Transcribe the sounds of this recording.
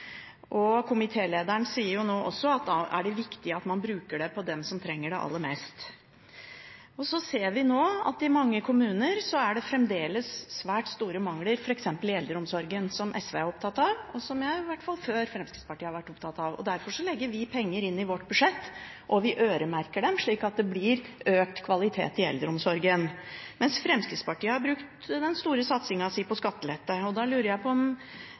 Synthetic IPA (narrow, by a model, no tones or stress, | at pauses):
ʔɔkʰʊmɪt̪ʰeːleːd̪əɳsiːəɾjʊnoːʔɔ̰sːɔɑt̪æɖɛʋɪkt̪ɪɑt̪mɑnbɾʉːkəɖɛpʰɔd̪ɛmsɔmt̪ʰɾɛŋːəɖɛʔɑ̰lːəmeːst̪ | ɔsɔseːɾʋɪnoːɑ̰t̪ɪmɑŋːəkʰʊmʉːnəɾsɔæɖɛfɾɛmd̪eːləsːʋæːʈst̪uːɾəmɑŋləɾfɔɾɛksɛmpəlɪɛld̪ɾəɔmsɔɾɡənsɔmʔɛsʋeːæɾɔpt̪ʰɑt̪ːɑʋɔsɔmjæɪʋæʈːfɑlføːɾfɾɛmskɾɪt̪spɑʈiːəhɑɾʋæʈːɔpt̪ʰɑt̪ɑʋɔ̰d̪æɾfɔʂɔlɛɡːəʋɪpʰɛŋːəɾɪnːɪʋɔʈːbʉʂɛt̪ː | ʔɔʋɪʔøːɾəmæɾkəɖɛmʂɭiːkɑt̪̚d̪ɛblɪɾøːk̚t̪kʰʋɑlɪt̪ʰḛːt̪ɪɛ̰ld̪əɾɔmsɔɾɡənmɛnsfɾɛmskɾɪt̪spɑʈiːəhɑɾbɾʉkt̪d̪ɛnst̪uːɾəsɑt̪sɪŋɑsipɔskɑt̪ːəlɛt̪ːəɔd̪ɑlʉːɾəjæɪpʰɔɔm